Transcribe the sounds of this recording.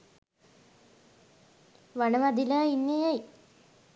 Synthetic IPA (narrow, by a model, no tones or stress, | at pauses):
ʋɐɳɐmɐd̪ilainːejaj